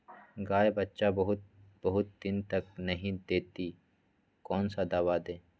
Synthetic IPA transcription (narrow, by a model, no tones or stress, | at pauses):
ɡaːjebɐtːʃabɐɦʊt̪bɐɦʊt̪̚d̪ɪnt̪ɐknɐɦĩd̪eːt̪i | kɔːnsad̪aːwad̪eː